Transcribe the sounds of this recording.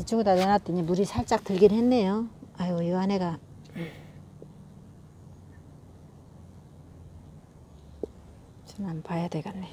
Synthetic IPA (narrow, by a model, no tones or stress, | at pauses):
it͡ɕ͈ʰoɡudaɾenat̚t͈ɯɲimuɾisʰaɭt͡ɕ͈ak̚tɯɭɡinhenːe̞joajwʌjɯaneɡa | t͡ɕɯnampajadweɡanːe